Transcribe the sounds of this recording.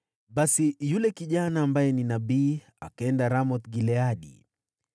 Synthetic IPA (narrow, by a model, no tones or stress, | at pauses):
ɓasijulɛkiʄanaːmbajɛninaɓiː | a̰kaɛndaɾamɔt̪ɡilɛaɗḭ